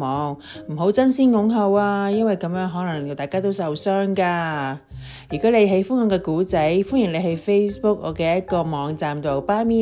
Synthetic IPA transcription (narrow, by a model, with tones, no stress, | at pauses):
ɔː˨˧ŋm̩˨˩ɦo˨˥wt͡sɐ˥nsiː˥nŋʊ˨˥ŋɦɐ˧waː˧jɐ˥nwɐ˨˩jkɐ˨˧mjœː˨˥ŋɦɔː˨˥lɐ˨˩ŋ˨˧t̪aː˨jkaː˥t̪o˥wsɐ˨wsœː˥ŋkaː˧ | jyː˨˩kɔ˨˥le˨˧jɦe˨˥jfʊ˥ŋɔ˨˧kɛː˧kuː˨˥t͡sɐ˨˥jfʊ˥nji˨˩ŋle˨˧ɦɐ˨˥jfe˥jspʊ˥k̚ɔ̰ː˨˧kɛː˧jɐ˥t̚kɔː˧mɔː˨˧ŋt͡saː˨mt̪o˨wpaː˥miː˥